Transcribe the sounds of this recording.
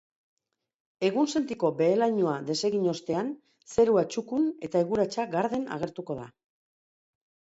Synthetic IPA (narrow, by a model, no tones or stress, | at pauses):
e̞ɣunse̞nt̪iko̞be̞ːlajɲoaðe̞se̞ɣiɲo̞st̪e̞an | se̞ɾuat͡ʃukune̞t̪aeɣuɾat͡ʃaɡaɾðe̞na̰ɣ̞e̞ɾt̪uko̞ð̞a